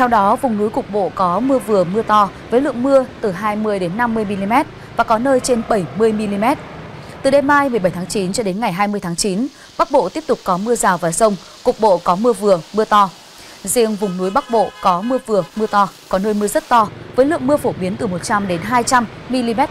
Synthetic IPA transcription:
t̪ʰɛ˧wɗɔ˨˦vʊ˨˩ŋ͡mnu˨˦jkʊ˨˩k͡p̚ɓo̰˧˨kɔ˨˦mɨ˧əvɨ˨˩əmɨ˧ət̪ɔ˧vəː˨˦jlɨ̰˧˨əŋmɨ˧ət̪ɨ˨˩ɦaː˧jmɨ˧əjɗe˨˦nːa˧mːɨ˧əjmi˧li˧mɛ˦˥t̚ | vaː˨˩kɔ˨˦nəː˧jt͡ɕe˧nɓə˧˩jmɨ˧əjmi˧li˧mɛ˦˥t̚t̪ɨ˨˩ɗe˨˧˩mːaː˧jmɨ˨˩əjɓə˧˩jt̪ʰaː˨˦ŋt͡ɕi˨˦nt͡ɕɔ˧ɗe˨˦nŋa˨˩jɦaː˧jmɨ˧əjt̪ʰaː˨˦ŋt͡ɕi˨˦n | ɓa˦˥k̚ɓo̰˧˨t̪i˦˥əp̚t̪ʊ˨˩k͡p̚kɔ˨˦mɨ˧əzaː˨˩wvaː˨˩sə˧wŋ͡m | kʊ˨˩k͡p̚ɓo̰˧˨kɔ˨˦mɨ˧əvɨ˨˩əmɨ˧ət̪ɔ˧ | zḭ˧əŋvʊ˨˩ŋ͡mnu˨˦jɓa˦˥k̚ɓo̰˧˨kɔ˨˦mɨ˧əvɨ˨˩əmɨ˧ət̪ɔ˧kɔ˨˦nəː˧jmɨ˧əzə˦˥t̚t̪ɔ˧vəː˨˦lɨ̰˧˨əŋmɨ˧əfo˧˩ɓi˨˦ənt̪ɨ˨˩mo˨˩t̚t͡ɕa˧mɗe˨˦nɦaː˧jt͡ɕa˧mːi˧li˧mɛ˦˥t̚

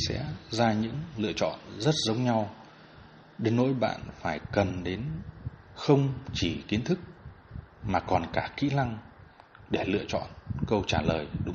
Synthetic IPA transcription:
sɛ̰˧˥zaː˧ɲɨ̰˧˥ŋlɨ̰˧ət͡ɕɔ̰˧˨nzə˦˥t̚zə˨˦wŋ͡mɲa˧w | ɗe˨˦nːo̰˧˥jɓa̰ː˧˨nfaː˧˩jkə˨˩nɗe˨˦n | xə˧wŋ͡mt͡ɕi˧˩ki˨˦ənt̪ʰɨ˦˥k̚ | maː˨˩kɔ˨˩nkaː˧˩kḭ˧˥la˧ŋ | ɗe˧˩lɨ̰˧˨ət͡ɕɔ̰˧˨nkə˧wt͡ɕaː˧˩ləː˨˩jɗʊ˨˦

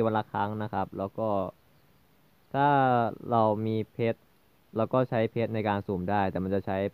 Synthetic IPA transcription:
wa˧nlaː˧kʰa˦˥˩ŋna˦˥kʰa˦˥p̚lɛː˦˥wkɔː˥˩ | t̪ʰaː˥˩ɾa˧wmiː˧pʰe˦˥t̪̚ | lɛː˦˥wkɔː˥˩t͡ɕʰa˦˥jpʰe˦˥t̪̚na˧jkaː˧nsuː˨˩mdaː˥˩jt̪ɛː˨˩ma˧nt͡ɕa˨˩t͡ɕʰa˦˥j

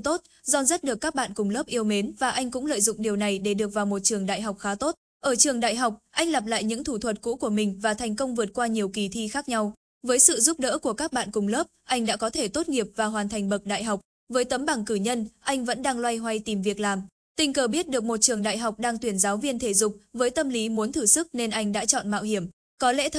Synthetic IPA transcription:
t̪o˦˥t̚ | zɔ˧nzə˦˥t̚ɗɨ˨˩əkːaː˦˥k̚ɓa̰ː˧˨nkʊ˨˩ŋ͡mləː˦˥p̚ʔi˧əwme˨˦nvaː˨˩ʔa˧jŋ̟kʊ̰˧˥ŋ͡mlə̰ː˧˨jzʊ̰˧˨ŋ͡mɗi˨˩əwna˨˩jɗe˧˩ɗɨ˨˩ək̚vaː˨˩wmo˨˩t̚t͡ɕɨ˨˩əŋɗa̰ː˧˨jɦa˨˩wk͡p̚xaː˨˦t̪o˦˥t̚ | ʔəː˧˩t͡ɕɨ˨˩əŋɗa̰ː˧˨jɦa˨˩wk͡p̚ʔa˧jŋla˨˩p̬̚la̰ː˧˨jɲɨ̰˧˥ŋt̪ʰu˧˩t̪ʰwə˨˩t̚kṵ˧˥ku˧˩əmï˨˩ŋ̟vaː˨˩t̪ʰɛ˨˩jŋ̟kə˧wŋ͡mvɨ˨˩ət̚kwaː˧ɲi˨˩əwki˨˩t̪ʰi˧xaː˦˥k̚ɲa˧w | vəː˨˦jsɨ̰˧˨zʊ˦˥p̚ɗə̰ː˧˥ku˧˩əkaː˦˥k̚ɓa̰ː˧˨nkʊ˨˩ŋ͡mlə˦˥p̚ʔa˧jŋ̟ɗa̰ː˧˥kɔ˨˦t̪ʰe˧˩t̪o˦˥t̚ŋi˨˩əp̚vaː˨˩ɦwaː˨˩nt̪ʰa˨˩jŋ̟ɓə˨˩k̚ɗa̰ː˧˨jɦa˨˩wk͡p̚ | vəː˨˦jt̪ə˨˦mɓa˧˩ŋkɨ˧˩ɲə˧nʔa˧jŋ̟və̰˧˥nɗaː˧ŋlwa˧jɦwa˧jt̪i˨˩mvi˨˩ək̚laː˨˩m | t̪ï˧ŋ̟kəː˨˩ɓi˦˥ət̚ɗɨ˨˩ək̚mo˨˩t̚t͡ɕɨ˨˩əŋɗa̰ː˧˨jɦa˨˩wk͡p̚ɗaː˧ŋt̪wi˧˩ənzaː˨˦wvi˧ənt̪ʰe˧˩zʊ˨˩k͡p̚vəː˨˦jt̪ə˧mli˨˦mu˨˦nt̪ʰɨ˧˩sɨ˦˥k̚ne˧nʔa˧jŋ̟ɗa̰ː˧˥t͡ɕɔ̰˧˨nma̰ː˧˨wɦi˧˩əm | kɔ˨˦lɛ̰˧˥t̪

